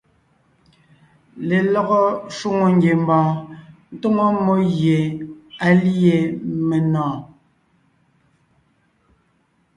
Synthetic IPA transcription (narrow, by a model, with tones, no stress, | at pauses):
le˨lɔ˨ɣɔ˦ʃu˦ŋo˨ŋɡje˨m˦bɔ̃ː˨n̩˦to˦ŋɔ˦mo˦ɣje˨a˨le˨me˨nɔ̃ː˨